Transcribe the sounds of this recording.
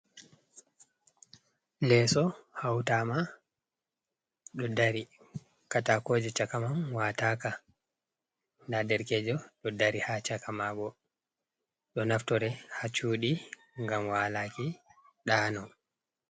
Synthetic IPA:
lɛsɔhawtama | ɗɔdaɾi | katakoːd͡ʒɛt͡ʃakamamwataka | ndadɛɾkɛd͡ʒɔɗɔdaɾihat͡ʃakamaɡɔ | ɗɔnaftɔɾɛhat͡ʃuːɗi | ŋɡamwaːlaki | ɗaːnɔ

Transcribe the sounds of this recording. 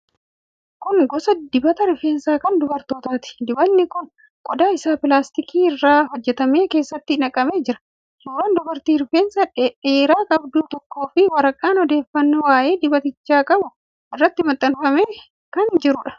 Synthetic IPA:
kʊŋɡɔsɐd̪ɪbɐt̪ɐɾʊfe̞ːnsaːkɐnd̪ʊbɐɾt̪oːt̪aːt̪ɪ̥d̪ɪbɐnːɪkʊn | kʼɔd̪aːɪsaːpɪlaːst̪ɪkiːɪrːaːhɔd͡ʒːɛt̪ɐme̞ːke̞ːsːɐt̪ːɪɪnɐkʼːɐme̞ːd͡ʒɪɾɐ̥ | suːɾaːnd̪ʊbɐɾt̪iːɾʊfeːnsɐᶑeːɾaːkʼɐbd̪uːt̪ɔkːo̞ːfɪwɐɾɐkʼːaːnɔd̪e̞ːfːɐnːowaːʔe̞ːd̪ɪbɐt̪ɪt͡ʃːaːkʼɐbʊ | ʔɪrːɐt̪ːɪmɐt̪ʼːɐnfɐmeː | kɐnd͡ʒɪɾʊᶑɐ̥

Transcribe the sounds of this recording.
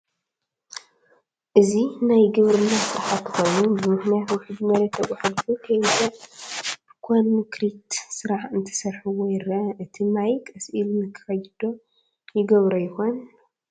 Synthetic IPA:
ʔɨzinajɡɨβɾɨnːasɨɾħat̪ːxo̞jnubɨmɨħnijat̪wʊħɨd̪mɐɾɐt̪ʰːɐkʷʼaħad̪fukʰɐjza | b̥ɨkʷʰanmukɾit̪sɨɾaħɨnt̪ʰɐ̥sɐɾħuwojɪɾɐɨt̪ʰimajkʼɐsʔilmɨkʰɨ̥xɐjd̪̥o̞ | jɪɡɐβɾɐjɪxo̞n

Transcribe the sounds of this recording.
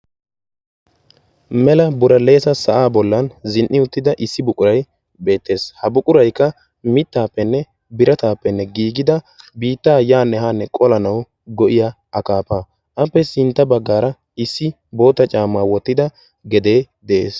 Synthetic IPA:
mɛlɐbʊɾɐle̞ːsɐsɐʔaːbɔlːɐnzɪnʔːɪʊt̪ːɪd̪ɐʔɪsːɪbʊkʼʊɾɐj | be̞ːt̪ːe̞ːshɐbʊkʼʊɾɐjkːɐ | mɪt̪ːaːpːɛnːɛ | bɪɾɐt̪aːpːɛnːɛɡiːɡɪd̪ɐ | biːt̪ːaːjaːnːɛɦaːnːɛkʼɔlɐnɐw | ɡɔʔɪja | ɐkaːpaː | ʔɐpːɛsɪnt̪ːɐbɐɡːaːɾɐ | ɪsːɪ | bo̞ːt̪ːɐt͡ʃʼaːmːaːwɔt̪ːɪd̪ɐ | ɡɛd̪e̞ː | d̪ɛʔḛːs

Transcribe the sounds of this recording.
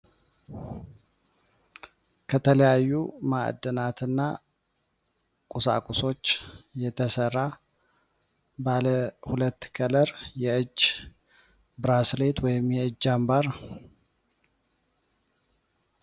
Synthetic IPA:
kʰət̪ʰələjajːuma̰ʔd̪ənat̪ʰɨnːa | kʼusa̰kʼuso̞t͡ʃːjɛt̪ʰəsərːa | baləhulət̪ːkʰʼələɾjɛʔɨd͡ʒː | bɨɾasle̞t̪wɔjɪmjɛɨd͡ʒːambaɾ

